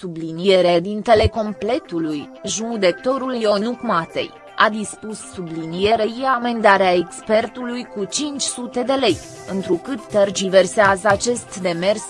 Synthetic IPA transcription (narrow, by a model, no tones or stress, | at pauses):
sublinije̞ɾeed̪int̪e̞le̞ko̞mple̞t̪ulujʒud̪e̞k̚t̪o̞ɾuljo̞nukmat̪ḛj | ad̪ispusːublinije̞ɾeiaame̞nd̪aɾeaekspe̞rt̪ulujkut͡ʃint͡ʃʲsut̪e̞d̪e̞le̞j | ɨnt̪ɾukɨt̪ːerd͡ʒive̞rseazat͡ʃe̞st̪d̪e̞me̞rs